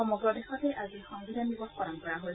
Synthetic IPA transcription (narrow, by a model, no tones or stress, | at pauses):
ɔmɔɡɹɔdexɔtɛʔazixɔŋbidʱanibɔxpɔɹɔnkɔɹaɦoj